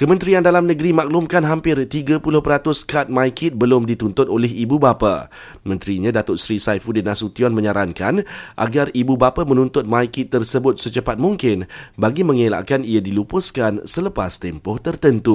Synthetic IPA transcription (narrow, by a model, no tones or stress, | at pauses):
kəmə̃nt̪ɾiandalamnə̃ɡəɾimak̚lʊmkanɦampɪrt̪iɡapulʊhpəɾat̪ʊskat̪̚mãjkɪt̪̚bəlʊmdit̪unt̪ʊt̪olɛɦibubapa̰ | mə̃nt̪ɾiɲãdat̪ʊʔ̪̚sɾisajfudinãsut̪iɔnmə̃ɲaɾankanʔa̰ɡaribubapamə̃nunt̪ʊt̪̚mãjkɪt̪ːərsəbʊt̪̚sət͡ʃəpat̪̚muŋkɪnbaɡimə̃ŋela̰ʔkaniadilupʊskansələpast̪ɛmpɔht̪ərt̪ənt̪u